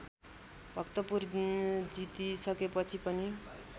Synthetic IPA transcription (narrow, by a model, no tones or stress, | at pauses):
bʱʌkt̪ʌpurd͡zit̪isʌkepʌt͡sʰipʌni